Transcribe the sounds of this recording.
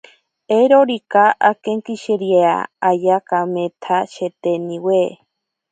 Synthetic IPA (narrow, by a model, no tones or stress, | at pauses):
eɾoɾikaʔakeŋkiʃeɾiea̰ajakamet̪ʰaʃet̪enĩwḛ